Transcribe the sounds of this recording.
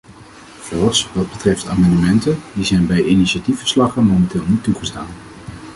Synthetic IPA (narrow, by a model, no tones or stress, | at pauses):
z̥ɛlˠfsʋɑd̚bətrɛftaːmɑndəmɛntəndizɛjnbɛjiniʃatifə̥ɹslɑχənmomɛntɪːlˠnitːuχəstaːn